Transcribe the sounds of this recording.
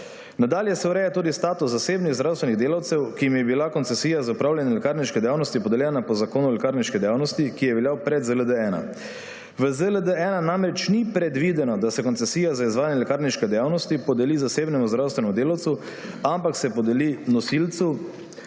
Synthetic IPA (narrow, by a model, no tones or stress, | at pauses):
nad̪aːljɛsɛwɾɛːjat̪uːd̪ist̪aːt̪usːaseːbniɣzd̪ɾawst̪ʋɛniɣd̪eːlawt̪sɛwkiimjɛbilakɔnt̪sɛsiːjazaupɾaːwljanjɛlɛkaːɾniʃkɛd̪ɛjaːwnɔst̪ipɔd̪ɛljɛːnapɔzakoːnuɔlɛkaːɾniʃkɛd̪ɛjaːwnɔst̪ikijɛʋɛljawpɾɛd̪zələd̪əɛːna̰ | ʋəzələd̪əɛːnanamɾɛt͡ʃnipɾɛd̪ʋid̪ɛnɔd̪asɛkɔnt̪sɛsiːjazaizʋaːjanjɛlɛkaːɾniʃkɛd̪ɛjawnɔst̪ipɔd̪ɛlizaseːbnɛmuzd̪ɾawst̪ʋɛnɛmud̪eːlawt̪su | ampaksɛpɔd̪ɛlinɔsilt̪su